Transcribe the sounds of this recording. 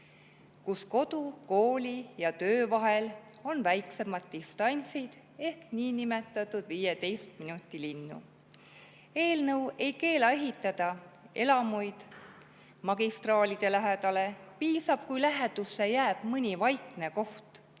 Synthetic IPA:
kusko̞d̪̥uko̞ːlʲijɑt̪ø̞ːvɑɦe̞l | o̞nvæjkse̞mɑd̪̥̚ːist̪ɑnʲsid̪̥ | e̞hkniːnime̞t̪ːˑɑt̪ːˑud̪̥viːjet̪e̞jst̪minut̪ːˑilinːṵ | e̞ːlnɤwe̞jke̞ːlɑe̞ɦit̪ːˑɑd̪̥ɑe̞lɑmujd̪̥ | mɑɡ̥ist̪rɑːlʲid̪̥e̞læɦed̪̥ɑle̞piːsɑb̥̚kujlæɦed̪̥usːe̞jæːb̥mɯnʲivɑjkne̞ko̞ht̪

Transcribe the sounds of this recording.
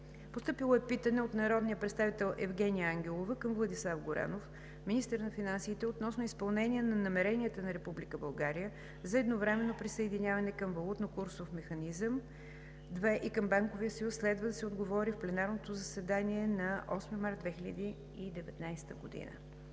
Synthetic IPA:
post̪ɤpilˠoɛpit̪ənɛot̪nɐɾɔd̪nijəpɾɛt̪st̪avit̪ɛlˠʔɛvɡʲɛnijəaŋɡʲɛlˠovəkəmvlˠɐd̪islˠafɡoɾa̰nof | minist̪əɾnɐfinansiːt̪ɛot̪nɔsnoispɐlˠnɛnʲiənɐnɐmɛɾɛnʲiət̪ənɐɾɛpublʲikəbɐlˠɡaɾijə | zɐɛd̪novɾɛmɛnːopɾisəɛd̪inʲjavɐnɛkəmvɐlˠut̪nokuɾsofmɛxɐnizəm | d̪vɛʔikəmbaŋkovijəsəjusːlɛd̪vəd̪ɐsɛod̪ɡovɔɾifplɛnaɾnot̪ozɐsɛd̪aniɛnɐʔɔsməmaɾd̪vɛxilʲəd̪i | id̪ɛvɛt̪najst̪əɡod̪ḭnə̰

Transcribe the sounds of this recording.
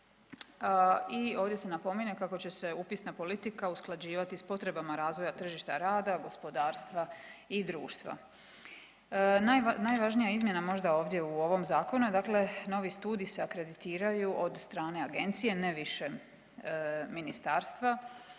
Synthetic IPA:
io̞ːʋd̪je̞se̞napo̞miɲe̞kako̞t͡ɕe̞se̞upisnapo̞lit̪ikausklˠad͡ʑiːʋat̪ispo̞t̪ɾe̞bamaɾaːzʋo̞jat̪r̩ʒiʃt̪a̰ɾaːd̪aɡo̞spo̞d̪aːɾst̪ʋaid̪ɾṵːʃt̪ʋa̰ | najnajʋaʒnijaizmje̞namo̞ʒd̪ao̞ːʋd̪je̞uo̞ʋo̞mzaːko̞nud̪akle̞no̞ʋist̪uːd̪iseakɾe̞d̪it̪iːɾajuʔo̞d̪st̪ɾaːne̞aɡe̞nt̪sije̞ne̞ʋiʃe | minist̪aːɾst̪ʋa

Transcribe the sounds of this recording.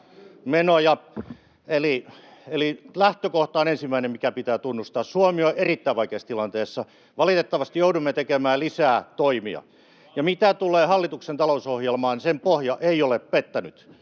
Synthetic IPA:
menojɑ | elielilæht̪økoht̪ɑonensimːˑæinemmikæpit̪æːt̪unːust̪ɑːssuomioʔerit̪ːæiʋɑikeːst̪ilɑnt̪eːsːɑ | ʋɑlit̪et̪ːɑʋɑst̪ijoudumːet̪ekemæːlisæːt̪oimḭɑ̰ | jɑmit̪æt̪uleːhɑlːit̪uksent̪ɑlousohjelmɑːnsempohjɑʔeioleppet̪ːænyt̪

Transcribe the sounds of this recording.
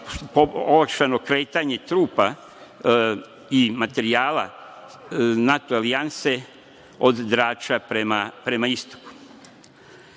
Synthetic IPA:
poolakʃano̞kɾeːt̪aɲe̞t̪ɾuːpa | imat̪e̞ɾiaːla̰ | nat̪oalianse̞ | od̪d̪ɾaːt͡ʃapɾemapɾe̞maist̪o̥ku̥

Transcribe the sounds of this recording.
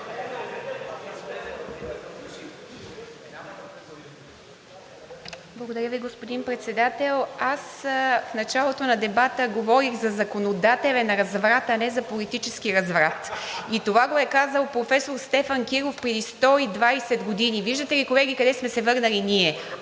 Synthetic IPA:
blˠɐɡod̪ɐɾʲjəviɡospod̪inpɾɛt̪sɛd̪at̪ɛlˠasfnɐt͡ʃalˠot̪onɐd̪ɛbat̪əɡovɔɾiɣzɐzɐkonod̪at̪ɛlʲɛnɐɾɐzvɾat̪ɐnɛzɐpolit̪it͡ʃɛsk̟iɾɐzvɾat̪it̪ovaɡoɛkazəlˠpɾofɛsoɾst̪ɛfankiɾofpɾɛd̪ist̪ɔid̪vajsɛd̪ɡod̪iniviʒd̪ət̪ɛlikolɛɡ̟ʲikɐd̪ɛsmɛsɛvɤɾnəliniɛ

